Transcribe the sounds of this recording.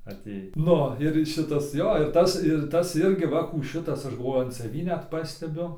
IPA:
ɐˈtʲeːj ˈnʊ ɪr ˈʃʲɪtɐs ˈjoː ɪr ˈtɐs ɪr ˈtɐs ˈɪrʲɡʲɪ ˈʋɐ kuː ˈʃʲɪtɐs ˈɐʃ ɡɐlˠˈʋoːjʊ ɐn sɐˈʋʲiː nʲɛt ˈpɑːsʲtʲɛbʲʊ

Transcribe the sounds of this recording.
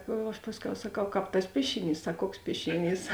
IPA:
ɐʃ ˈpɑːsʲˌkʲɛʊ sɐˈkɐʊ ˈkɑːp tɐs ˈpʲiɛʃʲɪˌnʲiːs ˈsɐk ˈkuɔks ˈpʲiɛʃʲɪˌnʲiːs

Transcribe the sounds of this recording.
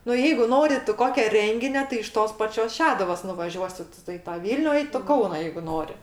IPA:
nʊ ˈjɛɪɡʊ ˈnoːrʲɪ tʊ ˈkoːkʲɛ ˈrʲɛŋʲɡʲɪnʲoː tɐɪ ɪʃ ˈtoːs ˈpɑːt͡ʃʲoːs ˈʃʲæːdʊʋoːs nʊʋɐˈʒʲuɔsʲɪ tʊ ɪ ˈtɑː ˈʋʲiːlʲnʲʊ ɪ toː ˈkɐʊnɐ jɛɪɡʊ ˈnoːrʲɪ

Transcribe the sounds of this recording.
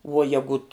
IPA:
ʋuɔ ˈjæːɡʊt

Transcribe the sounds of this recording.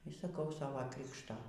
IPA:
iː sɐˈkɐʊ ˈsɑːʋoː ˈkrʲɪkʃtoː

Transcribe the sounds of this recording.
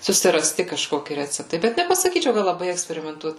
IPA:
sʊsʲɪrɐˈsʲtʲɪ kɐʃˈkoːkʲɪ ˈrʲæːt͡sʲɛptɐɪ ˈbʲɛt nʲɛpɐsɐˈkʲiːt͡ʃʲɛʊ kɐt lˠɐˈbɐɪ ɛksʲpʲɛrʲɪmʲɛnˈtuɔt

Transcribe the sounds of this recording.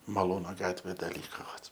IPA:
mɐˈlˠuːnoː ˈɡɑːtʲʋʲeː dɐ ˈlʲiːkoː ʋɐt

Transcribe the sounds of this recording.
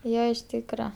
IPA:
ˈjoː ɪʃ ˈtʲiːkrɐ

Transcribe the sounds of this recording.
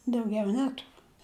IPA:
dɐʊˈɡʲɛʊ ˈnʲæːtʊrʊ

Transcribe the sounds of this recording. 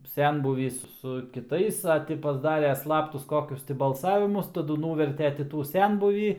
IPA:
ˈsʲɛnbuːʋʲiːs sʊ kʲɪˈtɐɪs ɐ ˈtʲɪ pɐzˈdɑːrʲeː ˈslˠɑːptʊs ˈkoːkʲʊs tʲɪ bɐlˠˈsɑːʋʲɪmʊs tɐˈdʊ ˈnuːʋʲɛrʲtʲɛ tʲɪ ˈtuː ˈsʲɛnbuːʋʲiː

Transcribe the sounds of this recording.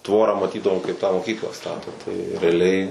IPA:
ˈtʋoːrɑː mɐˈtʲiːdɐʋoːm kɐɪp tɑː moːˈkʲiːklˠɑː ˈstɑːtoː tɐɪ rʲɛɐˈlʲɛɪ

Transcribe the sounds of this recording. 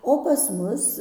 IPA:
oː pɐs ˈmʊs

